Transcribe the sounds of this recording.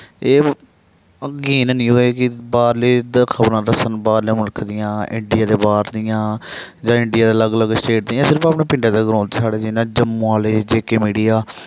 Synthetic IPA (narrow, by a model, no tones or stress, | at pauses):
eː | ɡiːnnĩːɦoːeːkɪbaːɾleːd̪kʰəbɾãːd̪əsənbaːɾleːmʊlkʰd̪ɪjãːɪ̰ɳɖɪjaːd̪eːbaːɾd̪ɪjãː | d͡ʒãːɪɳɖijaːd̪eːləɡələɡsʈeːʈ̚d̪ɪjãːsɪɾəpaːpneːpɪ̃ɳɖaːd̪eːɡɾõːnt̪eːsaːɽeːd͡ʒɪnãːd͡ʒəmːõːaːleːd͡ʒeːkeːmiːɖijaː